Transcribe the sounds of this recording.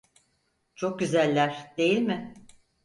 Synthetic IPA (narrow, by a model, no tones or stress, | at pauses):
t͡ʃʰok̚ɟyzælʲːæɾ̥d̪̥e̞jilʲmɪ